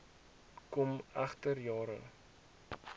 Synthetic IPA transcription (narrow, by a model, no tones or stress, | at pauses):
kɔmæχtərjɑːɾə̰